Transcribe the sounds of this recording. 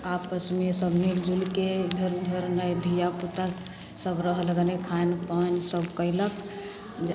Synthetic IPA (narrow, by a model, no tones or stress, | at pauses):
apəsmesəbʱmild͡ʒulked̪ʱəɾd̪ʱəɾnəjd̪ʱijaput̪a | səbɾəɦəlɡənekʰanpənsəbkəilək | d͡ʒ